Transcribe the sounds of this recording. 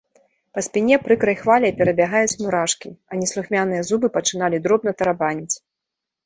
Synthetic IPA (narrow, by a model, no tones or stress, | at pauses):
pɐsʲpʲinʲɛpɾɨkɾɐjxvalʲɐjpʲɛɾɐbʲaɣajut͡sʲmuɾaʂkʲiɐnʲɛslˠuxmʲanɨjɛzubɨpɐt͡ʂɨn̪alʲid̪ɾɔbnɐt̪ɐɾabanʲit͡sʲ